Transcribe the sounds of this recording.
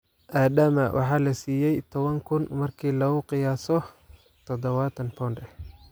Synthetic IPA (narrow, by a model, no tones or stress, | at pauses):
ʔaːd̪ɐmɐwʔɑ̰ħɑːlɐsiːjɛjt̪ʰɔβɐŋkʰʊnmɐrkʰiːlɔɣʊqɪjaːsɔ | t̪ʰɔd̪ɔβat̪ʰɐnpʰɔːnɖɛ